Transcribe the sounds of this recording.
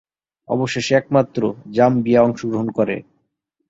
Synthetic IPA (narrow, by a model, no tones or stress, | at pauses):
ɔ̰boʃeʃɛkmat̪ːɾod͡ʑambiaɔŋʃoɡɾoɦonkɔɾḛ